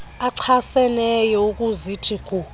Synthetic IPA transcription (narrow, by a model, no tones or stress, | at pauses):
aǀʰasɛnɛjɔukʼuzitʰʼikʰʼu